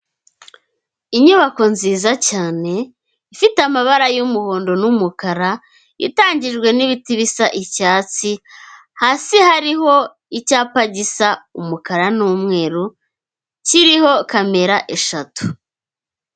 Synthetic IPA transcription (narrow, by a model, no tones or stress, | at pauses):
iɲuβako̞nziːzacaːne̞ | ifitamaβaɾajumuho̞ːndo̞numukaɾa | ḭtaːɲɟiʒɡwe̞niβitiβisaʔicaːt͡si | hasihaɾiɦo̞ | icaːpaɟisaumukaɾanuːmŋe̞ːɾu | ciɾiho̞kame̞ɾaʔe̞ʃatu̥